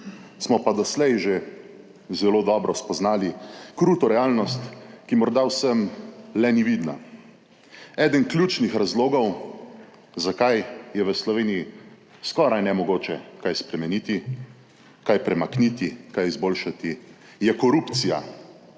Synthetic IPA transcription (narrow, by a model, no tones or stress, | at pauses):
smɔpad̪ɔslɛjʒe | zɛloːd̪ɔːbɾɔspɔznaːlikɾuːt̪ɔɾɛaːlnɔst̪kimɔɾd̪awsəmlɛniʋiːd̪na̰ | ɛːd̪ənklʲjuːt͡ʃnixɾazloːɡɔw | zakajjɛʋəslɔʋeːniji | skɔːɾajnɛmɔɡoːt͡ʃɛkajspɾɛmɛniːt̪i | kajpɾɛmaknit̪ikajizboːlʃat̪i | jɛkɔɾupt̪sija̰